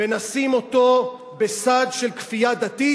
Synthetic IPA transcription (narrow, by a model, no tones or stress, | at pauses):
enasimo̞t̪o̞ | besad̪ʃelkfijad̪at̪i